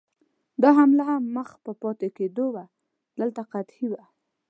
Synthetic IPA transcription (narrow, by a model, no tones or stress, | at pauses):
d̪ɑɦamlaɦamːəxpəpɑt̪eked̪owa | d̪əlt̪aqat̪hiwa